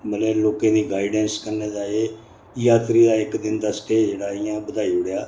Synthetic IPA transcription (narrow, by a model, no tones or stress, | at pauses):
məlɛːloːkẽːd̪iːɡaːɪɖɛ̃ːnskəɾneːd͡ʒaːeː | jaːt̪ɾiːd̪aːɪkd̪ɪnd̪aːsʈeːd͡ʒeːɽaːɪjãːbəd̪ʱaːiːʊɽjaː